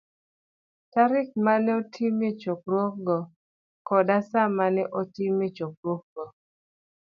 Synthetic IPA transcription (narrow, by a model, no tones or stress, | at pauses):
taɾɪk̚manɛɔtʰimet͡ʃokɾwɔk̚ɡɔ | kɔdasamanɛʔɔtimet͡ʃok̚ɾwok̚ɡɔ